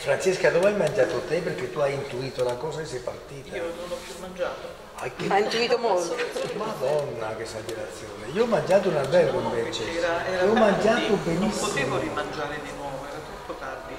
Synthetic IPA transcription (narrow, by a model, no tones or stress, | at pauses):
fɾant͡ʃeskad̪ɔvajmand͡ʒaːt̪ot̪epeɾk̟et̪ːuajint̪uiːt̪olakɔːsakesːɛjpart̪iːt̪a | nd͡ʒt̪ | a̰jkeaint̪uit̪omolt̪omad̪ɔnːak̟esːad͡ʒilat̪sːjoːneioɔmːand͡ʒaːt̪̬ounabɛlɡompet͡ʃɛeɔmːand͡ʒaːt̪obenisːimo